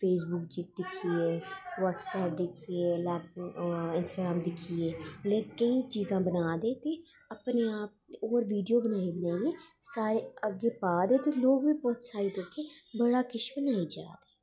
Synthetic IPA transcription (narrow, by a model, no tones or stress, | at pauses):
fʰeːs̬bʊkd͡ʒik̚d̪ɪkʰːieːʋɔːʈsɛːp̚d̪ɪkʰieːlɛːp̚ɪnsʈaːɡɾaːmd̪ɪkʰieːleːkəit͡ʃiːzãːbənaːd̪eːt̪eː | əpneːaːp̚oːɾʋiːɖijoːbənaːibənaːjeːsaːɾeəɡeːpaːd̪eːt̪eːloːɡʋiːbɔːt̪saːɾiːd̪oːkʰeːbəɽaːkɪt͡ʃbənaːiːd͡ʒa̰ːd̪eː